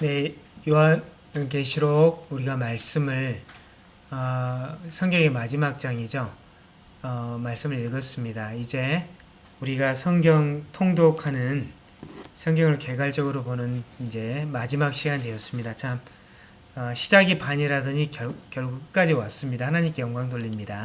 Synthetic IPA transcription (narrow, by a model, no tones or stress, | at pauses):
ne̞joan | ke̞ɕʰiɾoɡ̚uɾiɡamaɭs͈ɯmɯɭ | ʌsʰʌŋɡjʌŋe̞mad͡ʑimak̚t͡ɕ͈aŋid͡ʑo | ʌmaɭs͈ɯmɯɭiɭɡʌs͈ɯmɲidaid͡ʑe̞ | uɾiɡasʰʌŋɡjʌŋtʰoŋdokʰanɯn | sʰʌŋɡjʌŋɯɭke̞ɡwaɭt͡ɕ͈ʌɡɯɾoponɯnind͡ʑe̞mad͡ʑimak̚ɕ͈ʰiɡandwe̞ʌs͈ɯmɲidat͡ɕʰam | ʌɕʰid͡ʑaɡipaɲiɾadɯɲikʌkjʌɭɡuk͈ɯk͈ad͡ʑiwas͈ɯmɲidahanaɲimk͈ejʌŋɡwaŋdoʎːimɲida